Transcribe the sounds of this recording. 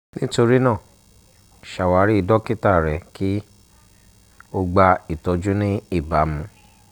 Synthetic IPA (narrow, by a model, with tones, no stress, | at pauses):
nĩ˦to˧ɾi˦nãː˦˨ | ʃa˨wa˨˦ɾi˦i˧dɔ˦ki˦ta˦˨ɾɛ˨ki˦ | o˧ɡ͡ba˧i˨tɔ˧d͡ʒu˦nĩ˦i˦˨ba˨˦mũ˧˦